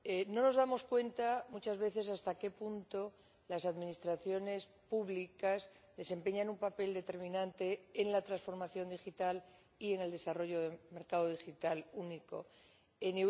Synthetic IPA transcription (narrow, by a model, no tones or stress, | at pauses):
eno̞no̞zðamo̞skwe̞nt̪amut͡ʃazβe̞θe̞s̬ast̪ake̞punt̪o̞ | lasaðmĩnist̪ɾaθjo̞ne̞spuβlikazðe̞se̞mpe̞ɲanumpape̞ld̪e̞t̪e̞ɾmĩnãnt̪e̞ːŋlat̪ɾansfo̞ɾmaθjo̞nd̪ixit̪al | ie̞ŋe̞ld̪e̞saro̞ʝo̞ðeme̞ɾkaðoðixit̪aluniko̰ | ene